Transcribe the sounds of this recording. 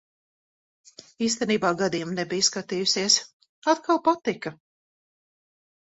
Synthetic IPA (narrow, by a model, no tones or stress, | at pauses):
iːst̪ɛniːbaːɡad̪iːjumnɛbijskat̪iːjusiɛs | at̪kalˠpat̪ika